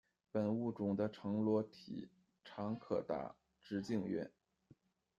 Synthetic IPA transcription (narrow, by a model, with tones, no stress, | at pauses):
pə˨˩nu˥˩ʈ͡ʂʊ˨˩ŋd̪ə˦ʈ͡ʂʰɤ˧˥ŋlwɔ˧˥t̪ʰḭ˨˩˦ | ʈ͡ʂʰɑ˧˥ŋkʰɤ̰˨˩t̪a̰˥˩ | ʈ͡ʂɻ̩˧˥t͡ɕi˥˧ŋɥɛ̰˥˩n